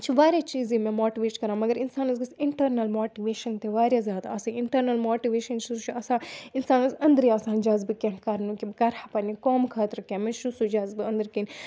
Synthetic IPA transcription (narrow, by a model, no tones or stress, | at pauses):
t͡ʃʰiʋaːɾʲjaːt͡ʃiːzĩmẽmoːʈiʋeːʈkɐɾãːmɐɡɐɾɪnsaːnɐzɡɐsɪɳʈɐɾnɐlmoːʈiʋeːʃɐnt̪eʋaːɾjazʲjaːd̪a̰ːsãɪɳʈɐɾnɐlmoːʈiʋeːʃɐnt͡ʃʰit͡ʃʰuɐsãːɪnsaːnɐzɐnd̪əɾiaːsaːnd͡ʒaːzbikẽɳkɐɾnukibkɐɾhapɐnikoːmkʰaːt̪ɾɐkãmẽʃusud͡ʒaːzbɨɐ̃nd̪ɐɾkiːn